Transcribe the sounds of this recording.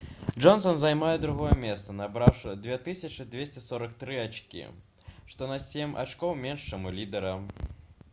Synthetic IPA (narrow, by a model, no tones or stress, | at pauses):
d͡ʐɔnsɔnzajmajɛd̪ɾuɣɔjɛmʲɛst̪sɐnabɾawʂɨd̪vʲet̪ɨsʲɐt͡ʂɨd̪ʲvʲesʲt͡sʲɛsɔɾɐkt̪ɾɨat͡ʂkʲḭ | ʂt̪ɔnɐsʲemʲʔa̰t͡ʂkɔwmʲɛnʂt͡ʃɛmulʲid̪ɛɾɐ